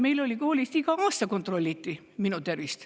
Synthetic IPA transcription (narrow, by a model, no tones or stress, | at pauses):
meilolʲikoːlʲist̪ikɑɑːst̪ɑkont̪rolʲːit̪ːi | minut̪erʋist̪